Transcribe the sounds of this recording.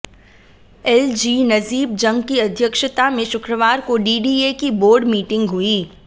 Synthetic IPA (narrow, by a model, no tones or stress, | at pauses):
ɛld͡ʒiːnɐziːb̚d͡ʒɐ̃ŋɡkiɐd̪ʱjəkʃət̪amẽʃʊkɾəʋaːɾkoɖiːɖiekiboːɾɖmiːʈɪ̃ŋɡɦuiː